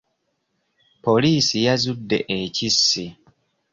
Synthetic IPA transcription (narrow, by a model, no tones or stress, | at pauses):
po̞liːsijazudːe̞̰ʔecisːi